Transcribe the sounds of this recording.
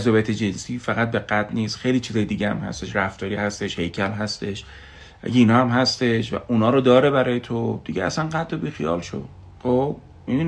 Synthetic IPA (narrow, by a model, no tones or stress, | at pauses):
zɒːbijæt̪ʰed͡ʒe̞nsiːfæɣæt̪̚be̞ɡæt̪niːst̪xejliːt͡ʃʰizɒːjed̪iːɡɟeæ̰mhæ̰st̪e̞ʃɾæft̪ɒːɾiːhæst̪e̞ʃhe̞jcʰælɦæst̪e̞ʃ | ʔæ̰ɡeiːnɒːhæmɦæst̪e̞ʃvæ̰ʔunɒːɾod̪ɒːɾebæɾɒːjet̪ʰod̪̥iɟeæ̰sænɢæt̪̚d̪obixijɒ̰ːlʃo̰d̪ | χob | i